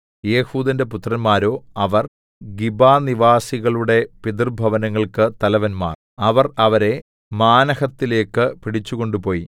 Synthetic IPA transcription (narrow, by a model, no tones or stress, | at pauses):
je̞ːhuːd̪ɐnde̞put̪rɐnmaːɾo̞ːɐʋɐr | ɡibaːniʋaːsiɣɐɭuɽe̞pid̪ɨrbʱɐʋɐnɐŋːɐɭkɨt̪ɐlɐʋɐnma̰ːr | ɐʋɐrɐʋɐɾe̞ | maːnɐhɐt̪ːile̞ːkːɨpiɽit͡ɕːuɣo̞ɳɖupo̞ːji